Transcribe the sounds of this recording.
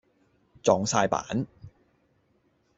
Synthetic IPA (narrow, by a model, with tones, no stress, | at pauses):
t͡sɔː˨˧ŋsaː˧jpa̰ː˨˥n